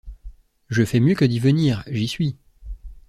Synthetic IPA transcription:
ʒəfɛmjøkəd̪ivəniːʁʒisɥi

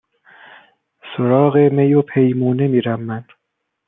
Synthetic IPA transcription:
soɾɒːɣemejopʰe̞jmuːne̞miːɾæmːæn

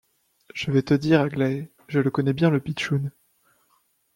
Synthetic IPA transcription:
ʒ̥əvɛt̪əd̪iʁaɡlaɛ | ʒələkɔnɛbjɛ̃ləpit̪ʃun

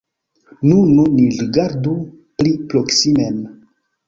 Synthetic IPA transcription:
nununiɾiɡaɾdu | plipɾoksimen

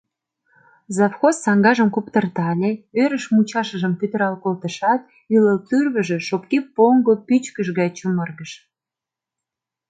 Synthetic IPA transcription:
zɑfxossɑŋɡɑʒəmkupt̪ərt̪ɑlʲeøɾəʃmut͡ɕɑʃəʒəmt̪yt̪ə̆ɾɑlkolt̪əʃɑt̪ | yləlt̪yrβə̆ʒĕʃop̚kipoŋɡopyt͡ɕkəʃ̬ɣɑjt͡ɕumərɣəʃ

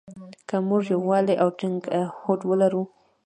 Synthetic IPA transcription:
kamʊʐjowɑleʔawʈɪŋɡhoʈwəlaɾu

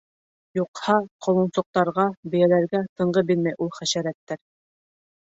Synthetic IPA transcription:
juqhɑqʰŏlˠɤ̆nsŏq̚t̪ɑɾʁɑbɘ̆jælæɾɡæt̪ɤ̆ɴʁɤbilmæjʔulˠχæʃæɾæt̪ːæɾ

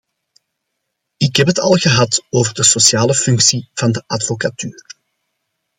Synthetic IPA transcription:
ɪkɦɛpɦətɑ̰lˠɣəɦɑtoːvərdəsosjaːləfʏŋksiv̥ɑndəʔɑdfokatyːr

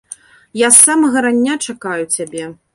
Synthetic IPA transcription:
jasːamɐɣɐɾanʲːat͡ʂakajut͡sʲabʲɛ

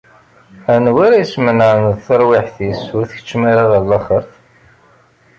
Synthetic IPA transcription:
ænwæɾæjsmənanðθəɾˤwɪħθisʊɾθəçə̥t͡ʃːmaɾaðælːɑχəɾθ

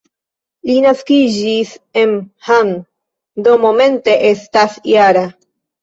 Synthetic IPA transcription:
linaskid͡ʒisenhan | d̪o̞momẽ̞nte̞ʔe̞stasjaɾa

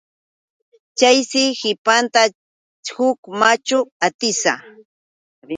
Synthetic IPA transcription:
t͡ʃajsɪhɪpant̪a | hʊkmat͡ʃʊat̪ɪsa

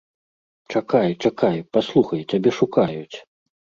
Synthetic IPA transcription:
t͡ʂakajt͡ʂakajpaslˠuxɐjtʲabʲɛʂukajut͡sʲ

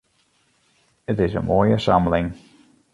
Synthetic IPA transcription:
ɪtɪzə̰mɔɪəsʌ̰̃mblɪ̃ŋ

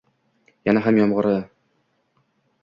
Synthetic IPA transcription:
jænæɦæmjɒmʁɤ̆ɾɤ

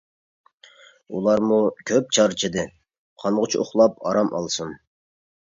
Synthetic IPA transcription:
ulˠɑɾmukʲʰøp̚t͡ʃʰɑɾt͡ʃʰid̪ɨ | qʰɑnʁʊt͡ʃʰio̰χlˠɑpʰɑɾɑmʔɑ̰lˠsun

